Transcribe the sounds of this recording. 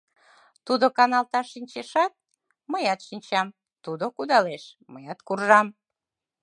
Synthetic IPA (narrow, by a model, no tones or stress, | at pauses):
t̪ud̪okɑnɑlt̪ɑʃːinʲt͡ɕeʃɑt̪̚ | məjɑt̪ʃinʲt͡ɕɑm | t̪ud̪okud̪ɑleʃməjɑt̪kurʒɑm